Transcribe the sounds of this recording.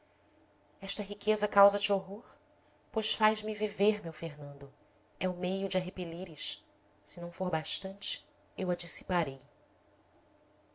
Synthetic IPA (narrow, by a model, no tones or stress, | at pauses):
ɛʃt̪ɐɦikʰezɐkawzɐt͡ʃɪoɦoɾ | pojʃfajʒmiviveɾmewfeɾnɐ̃nd̪ʊ | ɛʊmejʊd͡ʒɪaɦepeliɾiʃ | sɪnɐ̃w̃foɾbaʃt̪ɐ̃nt͡ʃɪ̥ | ewad͡ʒisi̥paɾej